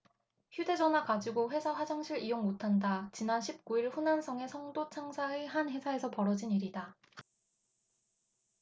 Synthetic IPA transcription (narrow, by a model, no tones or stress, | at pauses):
çjude̞d͡ʑʌnɦwakad͡ʑiɡoɸwe̞sʰawad͡ʑaŋɕʰiɾijoŋmotʰandat͡ɕinanɕʰip̚k͈uiɭɸunansʰʌŋe̞sʰʌŋdot͡ɕʰaŋsʰaeɦanɸe̞sʰae̞sʰʌpʌɾʌd͡ʑiniɾida